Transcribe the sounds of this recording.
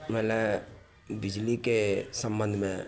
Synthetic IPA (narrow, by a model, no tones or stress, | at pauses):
mɛːlɛ | bɪd͡ʒlikesɐ̃mbɐnd̪ʱmẽ